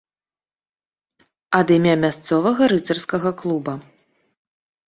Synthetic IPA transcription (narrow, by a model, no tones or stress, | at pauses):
ɐd̪ɨmʲamʲast̪sɔvɐɣɐɾɨt̪ɐrskɐɣɐklˠubɐ